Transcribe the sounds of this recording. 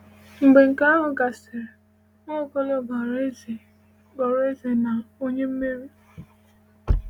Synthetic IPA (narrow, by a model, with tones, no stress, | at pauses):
ŋ͡m̩˨ɡ͡be˨ŋ̩˨ka˦a˦ɦʊ˨ɡa˨se˨ɾe˨ | ŋo˦˨kɔ˦lɔ˨ba˨ɾe˦z | ɡɔ˨ɾe˦ze˨na˨o˦ɲe˦m̩˦me˦ɾi˦